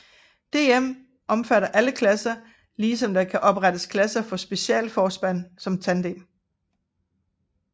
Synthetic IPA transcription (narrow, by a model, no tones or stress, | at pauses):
d̥e̝̰ːem | ʔɒ̽mfæɾɐʔæləkʰlæsɐ | liːsɒ̽md̥ɑ̈kʰæʔɒ̽b̥ʁadəskʰlæsɐfɒ̽sb̥e̝ɕɛ̰ːlfɒːsb̥æn̰sɒ̽mt͡sʰænd̥e̝m